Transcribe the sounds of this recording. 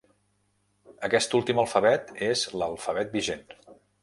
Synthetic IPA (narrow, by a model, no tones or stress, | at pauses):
əkɛst̪ulˠt̪iməlˠfəβɛt̪ezləlˠfəβ̞ɛt̪̚biʒen